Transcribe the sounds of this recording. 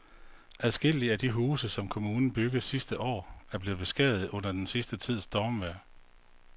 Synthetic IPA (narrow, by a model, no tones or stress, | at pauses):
ʔæðˠsɡ̥el̰iæd̥iɦuːsəsɒ̽mkʰo̝muːnn̩b̥yɡ̥ð̩ˠsisd̥əʔɒ̰ːæɐb̥le̝ːð̩ˠb̥e̝sɡ̥ɛ̰ðˠð̩ˠɔ̽n̰ɐd̥ensisd̥ət͡sʰið̞̰ˠsd̥ɒːmʋæɐ̰